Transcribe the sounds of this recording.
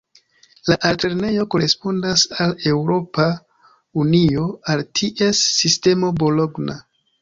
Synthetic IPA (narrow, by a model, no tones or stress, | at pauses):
laʔalte̞ɾne̞jo̞koɾe̞spo̞ndasale̞wɾo̞pa | unio̞altʰiʔe̞sːiste̞mo̞bo̞lo̞ɡna